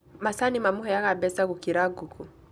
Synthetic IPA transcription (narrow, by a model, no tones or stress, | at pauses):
masanimamuɦɔjaɣabɛsaɣukiɾaɡukʰu